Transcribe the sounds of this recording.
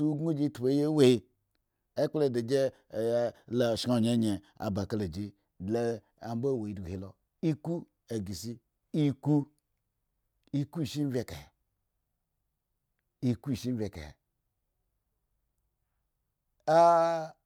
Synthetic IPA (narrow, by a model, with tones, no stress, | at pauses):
u˦ɡu˦d͡ʒi˦tu˨e˨˦je˦we˨i˧ | e˦k͡ple˨de˨d͡ʒe˦˨˦ | la˨ʃka˦˨ɲe˨˦ɲe˨ | a̰˨ba˨ka˦le˨d͡ʒi˦ | dle˦ | a˨m˦ba˦˨we˨i˨˦du˨ɡu˨i˨lo˨ | i˦ku˦ | e˨ɡi˨si˦ | i˦ku˦ | i˦ku˦i˨ʃi˦n˦vʲe˨ka̰˨ | i˨ku˦i˨ʃi˦m˦vʲe˨kḛ˨ | a˦